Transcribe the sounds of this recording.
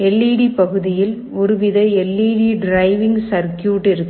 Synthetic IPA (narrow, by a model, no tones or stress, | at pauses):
ɛlːiːɽipɐɣɯðɪjɪl | ɔɾɯʋɪðɐɛlːiːɽiɖɾɐɪʋɪŋɡsɐɾkjuːʈːɪɾɯkː